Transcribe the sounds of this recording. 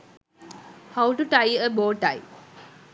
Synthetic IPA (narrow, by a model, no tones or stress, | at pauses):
hawʈuʈajəboːʈaj